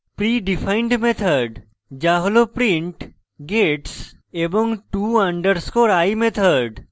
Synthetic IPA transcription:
pɾiːɖifʰaɪ̃ɳɖmet̪ʰəɾɖ | d͡ʒaɦlopɾĩɳʈ | ɡeʈs | ebɔ̃ŋɡʈuːə̃ɳɖəɾskoɾajmet̪ʰəɾɖ

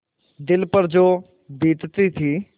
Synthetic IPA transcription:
d̪ɪlpəɾd͡ʒoː | biːt̪t̪it̪ʰiː

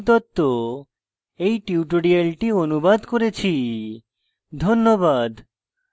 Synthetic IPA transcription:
t̪ɔt̪ːo | ejʈiuʈoɖialʈionubad̪koɾet͡ɕʰi | d̪ʱonːobad̪

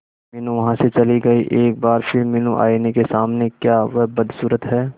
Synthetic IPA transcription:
mɪnũʋɐɦãset͡ʃɐliɡɐiʔeːk̚baːɾfɪɾmɪnũʔa̰ːinekesaːmnekjaːʋɐɦbɐd̪suːɾət̪ɦɛː

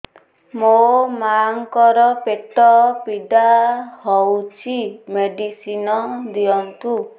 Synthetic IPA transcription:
momaŋkɔɾɔpet̪ɔpiɖahɔwt͡ʃʰimeɖisinɔd̪iɔnt̪u

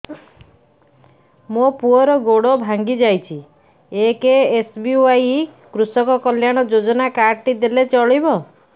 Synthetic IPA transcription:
mopuɔɾɔɡoɽɔbʱaŋɡid͡ʒajt͡ʃʰi | ekeesbiuajikɾusɔkɔkɔljaɽ̃ɔd͡ʒod͡ʒɔnakaɾʈid̪elet͡ʃɔɭibɔ

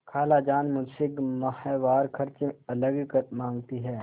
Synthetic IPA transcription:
kʰaːlad͡ʒaːnmʊnsɪkmɐhɛːʋaːɾkʰɐɾt͡ʃeɐləɡkəmãːŋɡt̪iɦɛː

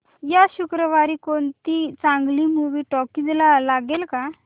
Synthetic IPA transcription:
jaɕukɾəʋaɾiːkoɳt̪it͡sãŋɡliːmuʋiːʈɔkid͡zlalaɡelka

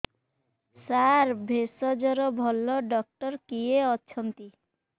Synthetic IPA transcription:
saɾbʱesɔd͡ʒɔɾɔbʱɔlːɔɖɔk̚ʈɔɾkieɔtːʃʰɔnt̪i

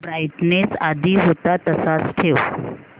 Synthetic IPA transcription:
bɾajʈnesad̪ʱiːɦot̪at̪əsat͡sʈʰew

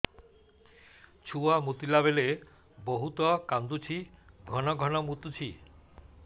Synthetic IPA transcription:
t͡ɕʰuamut̪ilaβele | boɦut̪ɔkand̪ut͡ɕʰiɡʱɔnɔɡʱɔnɔmut̪ut͡ɕʰi

